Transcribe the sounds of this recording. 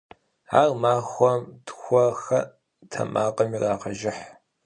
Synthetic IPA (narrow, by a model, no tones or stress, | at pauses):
aːrmaːxʷɔmtʰxʷɔxɐ | tʰɐ̰maːqʼɐmiraːqɐʒɪħ